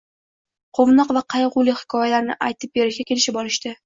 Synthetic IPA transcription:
qʰomnɒqvaqʰɑjʁʊlɪhɪ̥kʰɒjalaɾnɪ̰ʔajt̪ʰɪp̚beɾɪʃɡʲakʲʰe̞lɪʃɪbɒlˠɪʃt̪ɪ

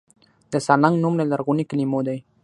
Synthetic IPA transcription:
d̪̥əsalaŋɡnumlalaɾɣuniknimod̪aj

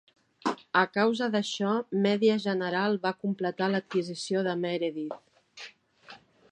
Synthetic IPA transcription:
əkawzəðəʃɔmɛðiəʒənəɾalˠβakumplət̪alət̪̚kizisioðəmɛɾeðit̪

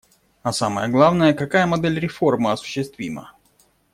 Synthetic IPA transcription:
ɐsaməjəɡlˠavnəjəkɐkajəmɐd̪ɛlʲɾʲɪfo̞rməɐsʊ̥ɕːɪst̪vʲḭmə̰

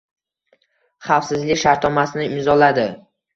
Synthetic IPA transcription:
χɑfsɪzlɪkʲʃaɾt̪nɒmasɪnɪɪmzɒlad̪ɪ

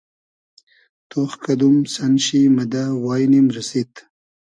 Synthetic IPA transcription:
t̪oxkad̪umsanɕiməd̪awɑːjnimɾəsit̪

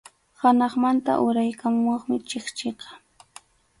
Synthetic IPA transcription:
hanɑχmant̪a̰ʔʊɾajkamʊɑχmɪt͡ʃeχt͡ʃeqɑ̥

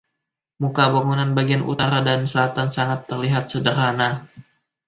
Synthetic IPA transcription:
mukabaŋunanbaɡianʔṵt̪aɾadanslat̪ansaŋat̪ːərliɦat̪̚sədəɾana

